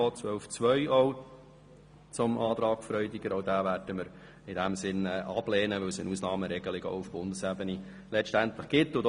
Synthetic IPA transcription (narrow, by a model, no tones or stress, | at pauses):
ɔːt͡sʋœlft͡sʋœʏɔʊ | t͡sʊmʔɑːt̪ɾɑːkfɾœʏdɪɡəɾɔʊd̪æːvæːɾd̥əməɾ | ɪdæmsɪnɛːʔɑb̥lɛːnəʋɵwsɪnusnɑːməɾɛɡ̥əlɪɡɔ̰ʊʊfb̥ʊnd̪əsæbəni | lɛʃtænt̪ləχɡ̥ɪt̪ːʊd̪